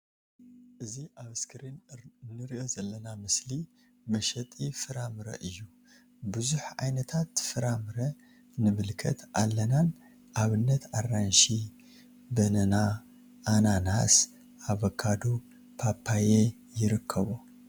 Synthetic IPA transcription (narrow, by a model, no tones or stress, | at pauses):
ʔɨziʔaβɨskʰɨɾinnːɨɾiʔo̞zɐlːɐnamɨsli | mɐʃɐt̪ʼifɨɾamɨɾɐ̰ʔɨjːu | bɨzuħʕa̰jnɐt̪ʰat̪fɨɾamɨɾɐ | nɨmɨlkʰɐ̰t̪ʰʔalːɐnan | ʔaβɨnːɐt̪arːanʃi | bɐnɐna | ʔananas | ʔaβɐkʰːad̪u | pʰapʰːaje | jɪɾɨkʰːɐβo